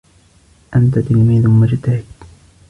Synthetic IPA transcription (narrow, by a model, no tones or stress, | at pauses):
ʔant̪at̪ɪlmiːðʊmʊd͡ʒt̪ahɪd̪